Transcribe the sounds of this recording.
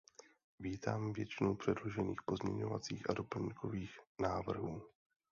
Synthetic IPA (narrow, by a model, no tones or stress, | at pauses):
viːt̪aːmvjɛt͡ʃɪnowpr̥ɛdlo̞ʒɛniːxpo̞zmɲɛ̰ɲo̞̰va̰t͡siːxʔado̞pl̩ɲikʰo̞viːxnaːvr̩ɦuː